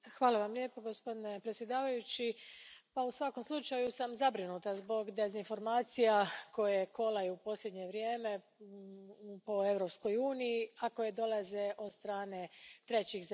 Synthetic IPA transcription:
xʋaːlaʋamlʲjeːpoɡo̞spo̞d̪ine̞pɾet̪sʲje̞d̪aːʋajut͡ɕipausʋako̞mslˠut͡ʃajusamzabɾinut̪azbo̞ɡd̪e̞zinfo̞ɾmaːt̪sijako̞jeko̞lajuupo̞slʎʲe̞d̪ɲe̞ʋɾje̞ːme̞ | po̞e̞ʋɾo̞psko̞juːnijiako̞jed̪o̞lˠazeʔo̞d̪st̪ɾaːne̞t̪ɾe̞t͡ɕiz

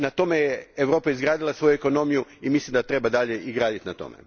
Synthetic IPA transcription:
nat̪o̞mejeeʋɾo̞ːpajezɡɾaːd̪ilˠasʋo̞jueko̞no̞mijuimislimd̪at̪ɾe̞bad̪aʎe̞ʔiɡɾaːd̪it̪nat̪o̞̰mḛ

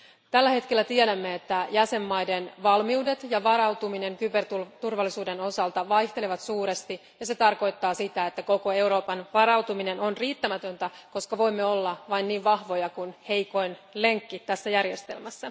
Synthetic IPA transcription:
t̪ælːæhe̞t̪ke̞lːæt̪iedæmːe̞et̪ːæjæse̞mːɑjde̞nʋɑlmiude̞t̪jɑʋɑɾɑwt̪umine̞ŋkype̞rt̪ut̪urʋɑlːisuːde̞no̞sɑlt̪ɑʋɑjht̪eleʋɑt̪suːɾe̞st̪i | jɑse̞t̪ɑrko̞jt̪ːɑːsit̪æet̪ːæko̞ko̞e̞wɾo̞ːpɑnʋɑɾɑwt̪umine̞no̞nriːt̪ːæmæt̪ø̞nt̪æko̞skɑʋo̞imːe̞o̞lːɑʋɑinniːʋʋɑhʋo̞jɑkunhe̞jko̞inle̞ŋkːit̪æsːæjærje̞st̪e̞lmæsːæ

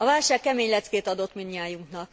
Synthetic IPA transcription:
ɒvaːlʃaːkːɛmeːɲlɛt̪skeːt̪ɒd̪o̞t̪minjaːjuŋknɒk

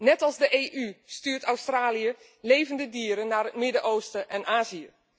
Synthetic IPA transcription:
nɛtɑlˠzdəʔeːʔystyːtawstraːliə | leːvəndədiəɾənaːrətmɪdəʔoːstəʔɛnʔaːziə

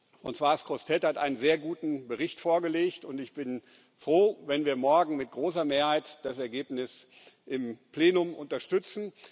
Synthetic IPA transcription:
fʁ̥ɔ̰nt͡sw̥aɐskʁ̥ɔstʰɛthatʔa̰ɪnənzeːɐɡuːtn̩bəʁɪçtfoːɐɡəleːçtʊntɪçb̥ɪn | fʁ̥oːvɛnviːɐmɔɐɡŋ̩mɪt̚ɡ̥ʁoːs̬ɐmeːɐhaɪtd̥as̬ɛɐɡeːpnɪs | ʔɪmpleːnʊmʔʊntɐʃtʏt͡sn̩

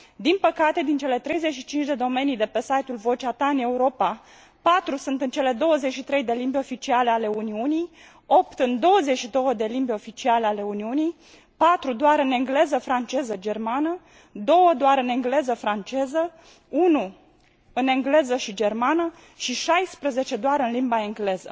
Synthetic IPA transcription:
d̪inpəkat̪e̞d̪int͡ʃe̞le̞t̪ɾe̞jze̞t͡ʃʃit͡ʃint͡ʃʲd̪e̞d̪o̞me̞nijd̪e̞pe̞sajt̪ulvo̞t͡ʃeat̪aɨne̞uɾo̞pa | pat̪ɾusunt̪ɨnt͡ʃe̞le̞d̪o̞wəzeʃit̪ɾe̞jd̪e̞limbʲeo̞fit͡ʃialeale̞uniunij | o̞pt̪ɨnd̪o̞wəze̞ʃid̪o̞wəd̪e̞limbʲeo̞fit͡ʃialeale̞uniunij | pat̪ɾud̪oaɾɨne̞ŋɡle̞zəfɾant͡ʃe̞zəd͡ʒe̞rmanə | d̪o̞wəd̪oaɾɨne̞ŋɡle̞zəfɾant͡ʃe̞zə | unu | ɨne̞ŋɡle̞zəʃid͡ʒe̞rmanə | ʃiʃajspɾəze̞t͡ʃe̞d̪oaɾɨnlimbae̞ŋɡle̞zə̰

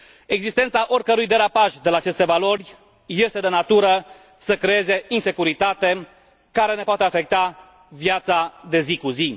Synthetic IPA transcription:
e̞ɡzist̪e̞nt̪saʔo̞rʲkəɾujd̪e̞ɾapaʃd̪e̞laːt͡ʃe̞st̪e̞valo̞rʲ | je̞st̪e̞d̪e̞nat̪uɾə | səkɾe̞e̞ze̞inse̞kuɾit̪at̪e̞ | kaɾe̞ne̞poat̪eafe̞k̚t̪a | vjat̪sad̪e̞zikuzi

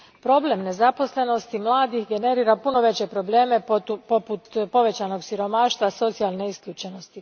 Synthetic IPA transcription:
pɾo̞ble̞mne̞zapo̞sle̞no̞st̪imlˠaːd̪ixɡe̞ne̞ɾiːɾapuno̞ʋe̞t͡ɕe̞pɾo̞blˠeːme̞po̞put̪po̞ʋe̞t͡ɕano̞ɡsiɾo̞maːʃt̪ʋaso̞t̪sijalˠne̞iskʎʲuːt͡ʃe̞no̞st̪i

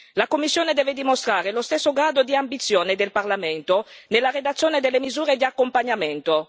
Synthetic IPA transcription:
lakomːisːjoːned̪ɛːved̪imost̪ɾaːɾelost̪ɛsːoɡɾaːd̪od̪iambit̪sːjoːned̪elparlament̪onelːaɾed̪at̪sːjoːned̪elːemizuːɾed̪iakːompaɲament̪o

